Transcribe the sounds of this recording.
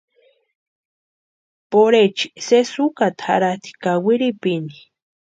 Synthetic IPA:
poɾet͡ʃi̥sesukat̪ʰa̰ɾat̪i̥kawiɾipini

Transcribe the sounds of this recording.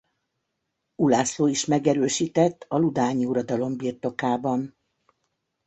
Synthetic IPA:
ulaːsloːiʃmɛɡɛɾøːʃiːt̪ɛt̪ːɒlud̪aːɲiuɾɒd̪ɒlo̞mbirt̪o̞kaːbɒn

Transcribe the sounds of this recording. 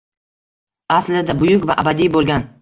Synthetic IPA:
aslɪd̪abʊjʊkʲvaʔabad̪ijbolˠɡʲan

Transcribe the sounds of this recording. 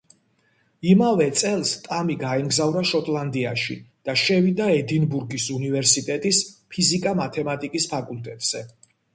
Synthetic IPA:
imavɛt̪sʼɛlˠst̪ʼamiɡaimɡzavɾaʃɔt̪ʼlˠand̪iaʃḭd̪̥aʃɛvid̪aɛd̪inbuɾɡisunivɛɾsit̪ʼɛt̪ʼispʰizikʼamat̪ʰɛmat̪ʼikʼispʰakʼulˠt̪ʼɛt̪ʼz̥ɛ

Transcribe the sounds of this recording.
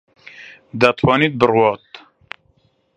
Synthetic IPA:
d̪at̪ʰwɑːniːt̪̚bɨrwɑːt̪

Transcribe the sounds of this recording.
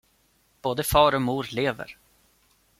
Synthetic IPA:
b̥oːd̪əfɑːɾɔmuːɾleːvə̰ɾ

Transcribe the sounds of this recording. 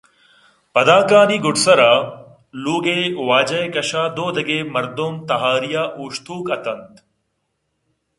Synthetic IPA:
pɐd̪aːkaːniːɡʊʈsɐɾaː | luːɡeːwaːd͡ʒɐekɐʃaːd̪oːd̪ɐɡeːmɐɾd̪omt̪ɐɦaːɾijaːʔuːʃt̪ʰuːkɐt̪ɐnt̪

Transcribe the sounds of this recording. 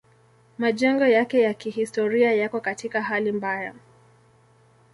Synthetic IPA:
maʄɛŋɡɔjakɛjakihistɔɾiajakɔkatikaɦalimbaja

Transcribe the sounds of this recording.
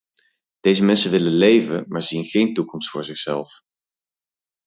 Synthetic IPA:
d̥ejzəmɛnsənʋɪlənlejvənmaːɹzinχejntukɔmstfʊːɹzɪχsɛlˠf

